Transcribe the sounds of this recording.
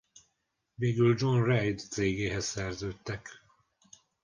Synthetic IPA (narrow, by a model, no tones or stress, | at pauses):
veːɡyld͡ʒo̞nrɛjd̪t̪seːɡeːɦɛssɛrzøːt̪ːɛk